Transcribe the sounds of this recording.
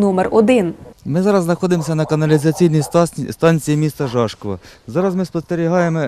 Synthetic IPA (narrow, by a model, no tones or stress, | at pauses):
nɔmerɔd̪ɪnmɪzɑɾɐznɐxɔd̪ɪmsʲɐnɐkɐnɐlʲizɐt͡sʲijnijst̪ɑnʲt͡sʲijimʲist̪ɐʒɑʃkɔʋɐ̰zɑɾɐzmɪspɔst̪eɾʲiɦɑjemɔ